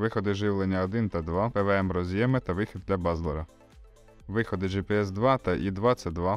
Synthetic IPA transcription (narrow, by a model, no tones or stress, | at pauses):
ʋɪxɔd̪ɪʒɪʋlˠenʲːɐɔd̪ɪnt̪ɐd̪ʋɑpɛʋeɛmɾɔzʲjɛmɪt̪ɐʋɪxʲɪd̪̚d̪ʲlʲɐbɑzlˠɔɾɐ | ʋɪxɔd̪ɪʒipɛɛzd̪ʋɑt̪ɐʔid̪ʋɑt̪sɛd̪ʋɑ